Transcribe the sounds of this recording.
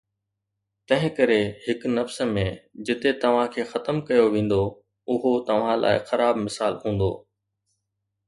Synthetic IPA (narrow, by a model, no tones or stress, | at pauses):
t̪ɐ̃ɦɪ̃kɐɾehɪknɐfsə̆mẽd͡ʑɪt̪et̪ɐʋ̤ãkʰeːxɐt̪əmkɐjoʋẽːn̆d̪o | ʊɦot̪ɐʋ̤ãlʔa̰ːɪxɐɾaːbmɪsaːlɦũːn̆d̪o̰ː